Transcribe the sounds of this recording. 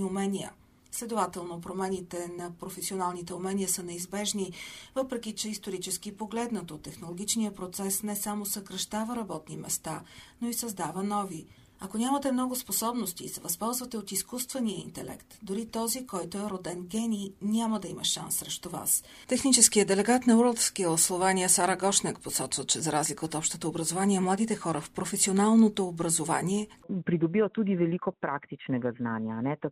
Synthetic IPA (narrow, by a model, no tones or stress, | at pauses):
ʊmɛnʲijə̰ | slɛd̪ovat̪ɛlˠnopɾomɛnit̪ɛnɐpɾofɛsionalˠnit̪ɛʊmɛnijəsənɛizbɛʒnivɤpɾɛkʲit͡ʃɛist̪oɾit͡ʃɛsk̟ipoɡlɛd̪nət̪ot̪ːɛxnolˠoɡʲit͡ʃnijəpɾot̪sɛsnɛsamosəkɾɐʃt̪avəɾɐbɔt̪nimɛ̰st̪anoisɐzd̪avənɔvi | ɐkonʲamət̪ɛmnɔɡʊsposɔbnost̪iːsɛvɐspɔlˠzvət̪ɛot̪iskust̪vɛniəḭnt̪ɛlɛ̰kt̪d̪ʊɾit̪ɔzikɔjt̪oɛɾod̪ɛnɡʲɛninʲaməd̪ɐimɐʃa̰nsːɾɛʃt̪ova̰s | t̪ɛxnit͡ʃɛskijəd̪ɛlɛɡat̪nɐuɾlˠt̪skilˠslˠovaniəsaɾəɡɔʃnɛkposɔt͡ʃvət͡ʃɛzɐɾazlikəot̪ɔpʃt̪ət̪əobɾɐzovaniɛmlˠad̪it̪ɛxɔɾəfpɾofɛsionalˠnot̪oːbɾɐzova̰niɛpɾid̪obiot̪ud̪ivɛlikopɾakt̪it͡ʃnɛɡɐznanianɛt̪